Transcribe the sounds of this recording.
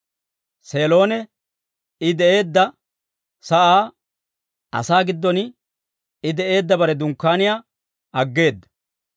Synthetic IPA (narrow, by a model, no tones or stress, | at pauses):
se̞ːlo̞ːnɛ | ɪd̪ɛʔe̞ːd̪ːɐ | sɐʔaː | ɐ̰saːɡɪd̪ːɔn | ɪd̪ɛʔe̞ːd̪ːɐbɐɾɛd̪ʊŋkːaːnɪjaː | ɐɡːe̞ːd̪ːɐ̥